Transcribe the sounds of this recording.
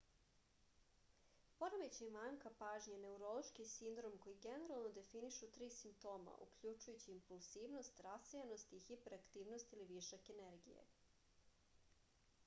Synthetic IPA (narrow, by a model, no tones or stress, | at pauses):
poɾamet͡ɕemaŋkapaːʒɲene̞uɾo̞lˠo̞ʃkisind̪ɾo̞mko̞jiɡene̞ɾalˠno̞d̪e̞finiʃut̪ɾiːsimp̚t̪o̞ːma̰ʔṵkʎut͡ʃujut͡ɕiːmpulˠz̥iːʋno̞st̪ɾasejeno̞st̪ixipeɾakt̪iːʋno̞st̪iliʋiʃakeneɾɡḭjḛ